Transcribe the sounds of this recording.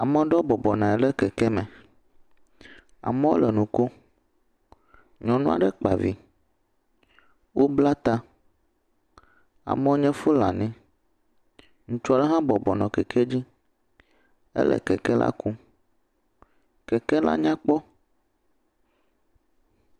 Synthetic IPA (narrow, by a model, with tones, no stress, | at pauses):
a˨mɛ̃˨˦ɖɔ˦bɔ˨bɔ˨nã˨ɛ˨ɖɛ˦kɛ˨kɛ˦mɛ̃˨ | a̰˨mɛ̃˦wo˦lɛ˨nũ˨ko˦ | ɲɔ̃˨nũ˦a̰˨ɖɛ˦k͡pa˨vi˨ | wo˦bla˦t̪a˦ | a̰˨mɛ̃˦wo˦ɲɛ̃˦fo˦la̰˨nĩ˦ | ŋũ˨t͡ʃa˦ɖɛ˦ɦã˦bɔ˨bɔ˨nɔ̃˨kɛ˨kʰe˦d͡ʑi˦ | ḛ˦lɛ̰˨kɛ˨kɛ˦la̰˦ku˦ | kɛ˨kɛ˦la̰˦ɲã˦k͡pɔ˦